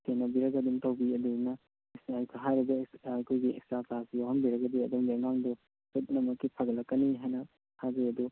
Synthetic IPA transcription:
tenɐbiɾɐɡɐduŋtawbiɐdunɐ | ɦajɾɐbɐːkʰojɡiekstɾakasijohɐmbiɾɐkɡɐd̪iɐduŋŋaŋdɔ | kotnɐmɐkːipʰaɡɐlɐkːɐniɦajnɐ | hazɾijɐdu

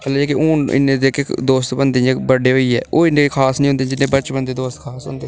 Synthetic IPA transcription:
əlaɛːkeuːnɪ̰nːẽːd̪eːked̪oːst̪bənd̪ẽɛ̃bəɖeːɦoːiːɛ̰ːʔoːɪnekʰaːsnĩɦʊ̃nd̪ed͡ʒɪnːẽːbət͡ʃbənd̪eːd̪oːst̪kʰaːsɦʊ̰̃ːnd̪eː

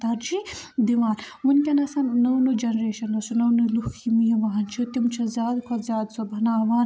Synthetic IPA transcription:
t̪ɐɾd͡ʒid̪iʋaːn | munkʲɐnɐsɐnnɐwnud͡ʒɐnɐɾeːʃɐnːɐsunɐwnuluhkʰimijɐʋɐɦɐnt͡ʃʰut̪imt͡ʃʰɐzjaːd̪kʰɐzʲjaːd̪sobʱɐnaɐʋaːn

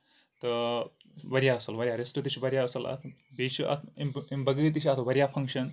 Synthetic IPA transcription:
t̪ɨ | ʋɐɾjaɐsɐlʋɐɾʲjaːɾesʈɨt̪it͡ʃʰiʋɐɾʲjaɐsɐlɐ̰t̪ʰbit͡ʃʰuʔɐ̰t̪ʰimimbɐɡɨːt̪̬it͡ʃʰɐt̪ʰʋɐɾijafʰɐŋkʃɐn

